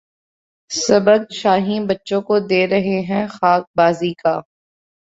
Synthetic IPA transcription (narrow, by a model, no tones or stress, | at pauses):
sɐbəɡ̚ʃaːɦĩbɐtːʃõkod̪eːɾɐɦeɦɛ̃xaːk̚baːzikaː